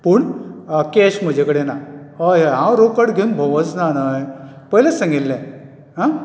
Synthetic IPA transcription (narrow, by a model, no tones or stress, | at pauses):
puːɳkeɕm̤əd͡ʑʱekəɽenaɦəjeɦãwɾokəɽɡʱeunbʱoʋət͡snanaj | pəɦlesə̃ŋɡilːɛ̃ | ɦa